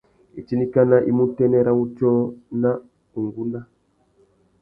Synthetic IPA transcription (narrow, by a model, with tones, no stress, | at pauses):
i˨t͡ʃi˦ni˦ka˦na˦ʔi˦mu˦tɛ˦nɛ˦ɾa˦u˦t͡ʃɔ˦na˦ | u˨ŋɡu˦nda˦